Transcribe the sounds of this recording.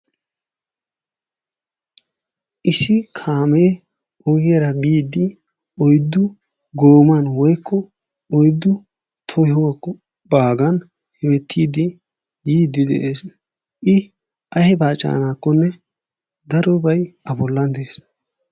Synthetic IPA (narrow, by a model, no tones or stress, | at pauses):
ʔɪsɪkʰaːmeː | ʔɔɡɪjɐɾɐbiːd̪ɪ | ɔjd̪ːʊ | ɡoːmɐnwɔjkʰːɔ | ɔjd̪ːʊ | t̪ʰɔhɔwakːɔ | baːɡɐn | hɛbɛt̪ʰːiːd̪ɪ | jiːd̪ːɪd̪ɛ̰ʔeːs | ʔɪ | ʔɐhɛbaːt͡ʃʼːa̰ːnaːkːɔnːɛ | d̪ɐɾɔbɐjɐbɔlːɐnd̪ɛeːs